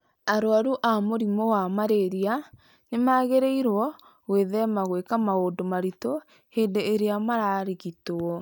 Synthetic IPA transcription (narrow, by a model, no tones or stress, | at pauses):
aɾoaɾuʔamoɾimɔwamaɾeɾia | nemaɣeɾeiɾwɔ | ɣweðɛmaɣwekamaoːdomaɾito | heːndeːɾeamaɾaːɾiɣitoɔ